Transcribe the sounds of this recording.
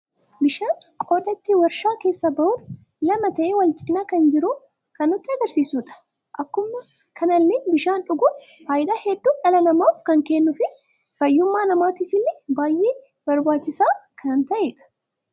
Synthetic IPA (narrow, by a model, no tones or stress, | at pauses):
bɪʃaːn | kʼo̞ːd̪ɐt̪ːɪwɐɾʃaːke̞ːsːɐbɐʔuːᶑ | lɐmɐt̪ɐʔeːwɐlt͡ʃʼɪnaːkɐnd͡ʒɪɾʊ | kɐnːʊt̪ːɪɐɡɐɾsiːsuːᶑɐ̥ | ʔɐkːʊmːɐ | kʰɐnɐlːebɪʃaːnᶑʊɡʊn | faːjɪᶑ̪aːhɛd̪ːuːᶑɐlɐnɐmoːfkɐŋkeːnːʊfɪ | fɐjːʊmːaːnɐmaːt̪iːfɪlːɪbaːjʔeː | bɐɾbaːt͡ʃːɪsaːkʰɐnnt̪ɐʔeːᶑɐ̥